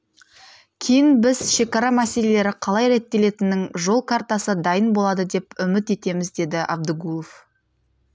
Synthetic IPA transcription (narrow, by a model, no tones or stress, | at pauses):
kʲʰe̞jɪnbɪz̥ʃe̞kɑɾɑmæse̞le̞le̞ɾɪqʰɑlˠɑjɾe̞t̪ːe̞le̞t̪ɪnːɪŋʒo̞lˠkʰaɾt̪asəd̪ɑjənbo̞lˠɑd̪əd̪e̞pʏmɪt̪e̞t̪e̞mɪzd̪e̞d̪ɪʔɑ̰b̚d̪əɡulˠof